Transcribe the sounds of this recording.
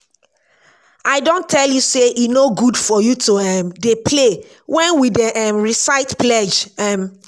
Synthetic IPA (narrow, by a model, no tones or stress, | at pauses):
aɪdõntʰɛljuseʔinoɡudfɔjutʰoɛmdepʰle | wɛ̃nwidɛʔɛmɹisaɪtplɛd͡ʒɛm